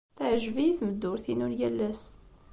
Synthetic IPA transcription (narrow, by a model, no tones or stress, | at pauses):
θæʕəʒviθməd̪ːʊɾθinʊɾjælːæs